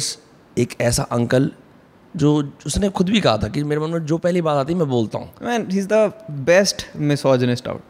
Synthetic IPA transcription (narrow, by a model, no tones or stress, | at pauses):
s | eːkɛːsa̰ʔɐ̃ŋkəl | d͡ʒoːʊsnexʊd̪bʱikɐɦat̪ʰakimeːɾemɐ̃nləbd͡ʒoːpɛɦlibaːt̪aːt̪iɛmɛ̃boːlt̪a̰ɦṵ̃ːmɛ̃nɦiːzd̪əbɛsʈmɪsɔːd͡ʒə̃nɪsʈa̰ʊʈ